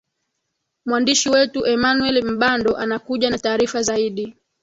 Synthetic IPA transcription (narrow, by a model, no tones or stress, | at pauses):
mwandiʃiwɛtuʔɛmanuɛlim̩ɓandɔʔanakuʄanataːɾifazaiɗi